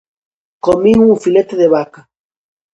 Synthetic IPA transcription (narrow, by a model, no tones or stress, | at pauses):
komiŋufilet̪eðeβakḁ